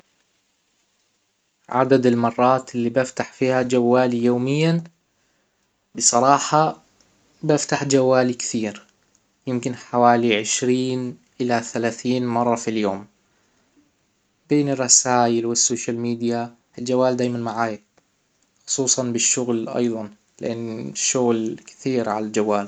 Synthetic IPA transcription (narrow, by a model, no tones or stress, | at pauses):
ʕa̰d̪ad̪ɪlmɑrˤːɑːt̪ʔɪlːiːbɪft̪aħfiːhad͡ʒawːaːlijoːmɪjːan | bɨsˤɑɾˤɑːħɑ | bɪft̪aħd͡ʒawːaːlikθiːɾ | jɪmkɪnħawaːliʕɪʃɾiːnʔɪlaθalaːθiːnmɑrˤːɑfiljoːm | b̥eːnɪrˤːɑsaːjɪlwɪsːoːʃalmiːd̪ija | ɪld͡ʒawːaːld̪aːjmanmaʕaːja | xʊ̥sˤuːsˤɑnbɪʃːʊɣlʔɑ̰jðˤɑn | lɪ̰ʔanːʃːʊɣlkɪ̥θiːɾʕa̰lald͡ʒawːaːl